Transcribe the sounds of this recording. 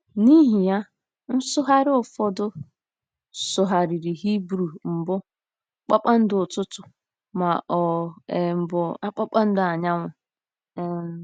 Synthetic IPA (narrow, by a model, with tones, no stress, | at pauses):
ni˦ɦi˨ja˦ | n̩˦sʊ˦ɦa˦ɾɪ˦ʊ˨fɔ˦dʊ˦ | sʊ˨ɦa˨ɾi˨ɾi˨ɦi˦bɾu˨m̩˨bʊ˦ | k͡pa˦k͡pa˦n̩˦dʊ˨tʊ˦tʊ˨ | ma˨ɔ˨ | bʊ˨a˦k͡pa˦k͡pa˦n̩˦dʊ˨a˨ɲa˦ŋʷʊ˨˦